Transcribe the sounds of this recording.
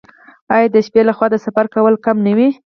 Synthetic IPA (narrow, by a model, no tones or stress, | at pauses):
ɑjɑd̪əʃpelaxwɑd̪əsafaɾkawəlkamnawi